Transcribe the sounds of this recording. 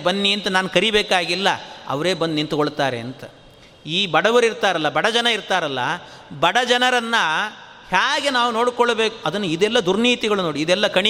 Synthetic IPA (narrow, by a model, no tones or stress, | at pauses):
bɐnːiɐnt̪ɐnaːnkɐɾibeːkaːɡilːɐ̰ɐ̰ʋɐɾe̞ːbɐnd̪nint̪ukoɭt̪aːɾe̞̰ɐnt̪ɐ | iːbɐɽɐʋɐɾiɾt̪aːɾɐlːɐbɐɽɐd͡ʒɐnɐiɾt̪aːɾɐlːɐ̰ | bɐɽɐd͡ʒɐnɐɾɐnːɐ | haːɡe̞naːʋuno̞ːɽkɔɭɐbe̞ːku̥ɐd̪ɐnːuid̪ɛlːɐd̪uɾniːt̪iɡɐɭunoːɽiːd̪ɛlːɐkɐɳi